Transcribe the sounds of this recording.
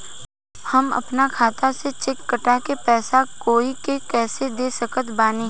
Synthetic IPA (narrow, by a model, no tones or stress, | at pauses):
hɐmɐ̰pnakʰaːt̪aset͡ʃɪkːəʈakepɛːsakoːikekɛːsed̪eːsəkət̪baːne